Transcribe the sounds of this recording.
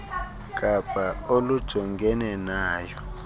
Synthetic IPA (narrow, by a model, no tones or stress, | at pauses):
ɡʼab̥ʱaolud̥ʒ̥ʱɔŋɡʱɛnɛnaːjɔ